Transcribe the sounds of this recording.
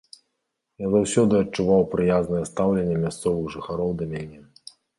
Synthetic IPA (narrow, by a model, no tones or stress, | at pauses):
jazawsʲɔd̪ɨɐt͡ʂːuvawpɾɨjaznɐjɛst̪awlʲɛnʲːɛmʲast̪sɔvɨɣʐɨxaɾɔwd̪ɐmʲanʲɛ